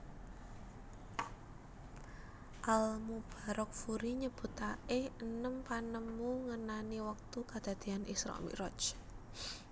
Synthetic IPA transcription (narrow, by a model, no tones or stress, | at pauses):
ʔalmub̥a̤ɾʔɔk̚fuɾiɲəb̥ṳt̪aɪhənəmpanəmːuŋənaniwak̚t̪ukad̪̥a̤d̪̥e̤anʔisɾɔ̰mḭʔɾɔt͡ʃ